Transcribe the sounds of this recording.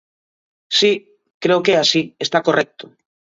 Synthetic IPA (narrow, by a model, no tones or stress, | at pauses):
si | kɾeokeasiest̪akorʔek̚t̪o̥